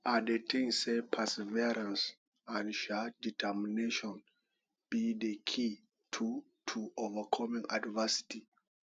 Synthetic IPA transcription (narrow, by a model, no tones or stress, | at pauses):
adetʰẽŋsɛpʰɛsɛviɾãns | ãnʃaditʰɛmineʃɔ̃n | b̥idəkʰi | tʰu | tʰuovəkʰɔmĩŋa̰dvɛsi̥ti